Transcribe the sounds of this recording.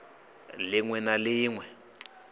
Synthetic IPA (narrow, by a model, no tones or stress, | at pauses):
lɪŋwɛnalɪːŋwɛ